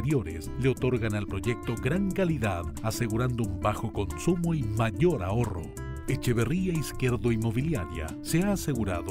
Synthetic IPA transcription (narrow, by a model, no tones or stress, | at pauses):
ɾjo̞ɾḛsle̞o̞t̪o̞ɾɣanalpɾo̞ʝe̞k̚t̪o̞ɡɾaŋkaliðaðase̞ɣuɾand̪oumbaxo̞ko̞nsumo̞imaʝo̞ɾaoro̞̰ | et͡ʃeβe̞riaiskjeɾðoimo̞β̞iljaɾja̰ | seaːse̞ɣuɾa̰ðo